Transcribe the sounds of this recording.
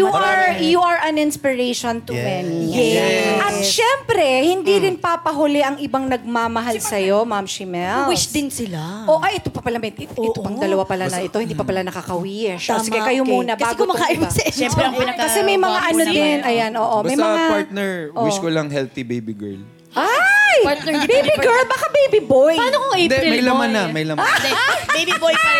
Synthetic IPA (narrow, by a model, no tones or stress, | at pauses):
juɐɹjuɐɹʔɐnɪnspɪɹejʃont̪ʊmɛnijɛɐt̪ʃɛmpɾɛhɪnd̪iɾɪnpapɐɦʊlɛʔɐŋɪbaŋnɐɡ̚maːmɐɦalsɐjo̞mamʃimɛlwʃd̪ɪnsɪlaʔoʔɐjʔɛt̪opɐpɐlamɐjɪopɐŋd̪ɐlɐwapɐlanɐɪt̪oɪnd̪iːpɐpɐlanɐkakɐwiʃosɪɡɛkɐjomuːnɐbaːɡɡomɐkaːʔɪmsɐɛɛmɾɛɐŋɪnɐkɐsɛmɐjmɐŋaʔɐnod̪ɛnʔɐjanʔoːʔommɐjmɐŋapaɹt̪̚nɛɹʔowɪʃkolɐŋɦɛlθibejbiɡɛ̰ɹl | ʔajpaɹt̪ɛbejiɡɛɹlbakabejbibojpaːnokoŋid̪ɛmɐjlɐmmanːɐmɐjlɐmaɛejbiboj